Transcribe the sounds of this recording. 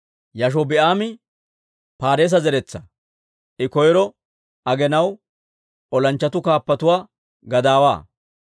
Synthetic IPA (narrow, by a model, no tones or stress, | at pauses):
jɐʃ̬ɔbɛʔaːmɪ | paːɾeːs̬ɐzɛɾɛt͡sːɐ | ʔɪkɔjɾɔ | ɐɡɛnɐw | ɔlɐnt͡ʃːɐt̪ʊkaːpːɐt̪ʊwaː | ɡɐd̪aːwa̰ː